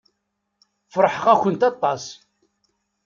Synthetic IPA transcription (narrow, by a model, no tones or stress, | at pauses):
fɾˤħəʁæçənt̪ɑt̪ˤːɑs